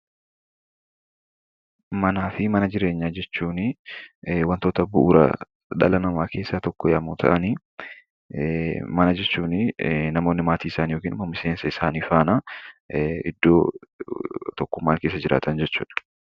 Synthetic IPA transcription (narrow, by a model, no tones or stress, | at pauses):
mɐnaːfɪmɐnɐd͡ʒɪɾe̞ːɲːaːd͡ʒɛt͡ʃːuːnɪ | wɐnt̪o̞ːt̪ɐbʊʔuːɾɐ̰ | ᶑɐ̰lɐnɐmaːke̞ːsːat̪ɔkːɔjɐmuːt̪ʰɐ̰ʔɐni | mɐnɐd͡ʒɛt͡ʃːuːnɪnɐmoːnːɪmaːt̪iːɪsaːnjo̞ːkiːnmɐmːɪseːnsɐɪsaːniːfaːna | ɪd̪ːo̞ː | t̪ɔkːʊmːaːŋke̞ːs̬ːɐd͡ʒɪɾʔa̰ːt̪ʰɐnd͡ʒɛt͡ʃːuːᶑɐ̥